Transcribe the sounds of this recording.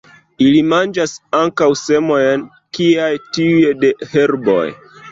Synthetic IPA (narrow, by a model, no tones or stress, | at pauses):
ilimand͡ʒasaŋkawse̞mo̞jn | kiajtiujede̞he̞ɾbo̞̰j